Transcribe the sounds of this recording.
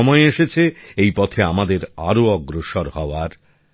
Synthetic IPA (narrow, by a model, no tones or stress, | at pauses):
ɔmɔeeʃet͡ɕʰeejpɔt̪ʰeamad̪eɾa̰ɾoɔɡɾoʃoɾhɔoaɾ